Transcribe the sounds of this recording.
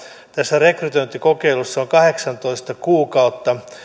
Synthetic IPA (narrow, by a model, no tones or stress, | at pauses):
t̪æsːærekryt̪oint̪ːikokeilusːɑoŋkɑheksɑnt̪oist̪ɑkuːkɑut̪ːɑ